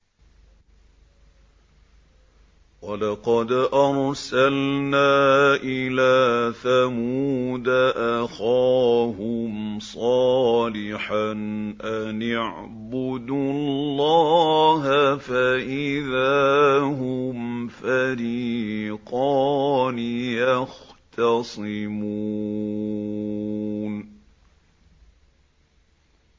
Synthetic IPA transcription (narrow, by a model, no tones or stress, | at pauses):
wɑlɑqɑd̪ʔɑɾˤsalnaːʔɪlaːθamuːd̪aʔaxɑːhʊmsˤɑːlɪħanʔanaʕ | bʊd̪ullːɑːɦafaʔɪðaːɦʊmfaɾiːqɑːnɪjɑxt̪ɑsˤɨmu | n